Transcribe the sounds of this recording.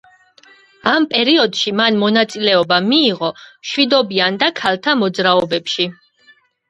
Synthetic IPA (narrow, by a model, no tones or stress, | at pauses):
ampʼɛɾiɔd̪ʃimanmɔnat̪sʼilɛɔbamiːʁɔmʃwid̪ɔbiand̪akʰalˠt̪ʰamɔd̪zɾaɔbɛpʃi